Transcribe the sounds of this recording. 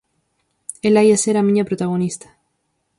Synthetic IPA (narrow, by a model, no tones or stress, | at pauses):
elajaseɾamĩɲapɾot̪aɣonist̪ḁ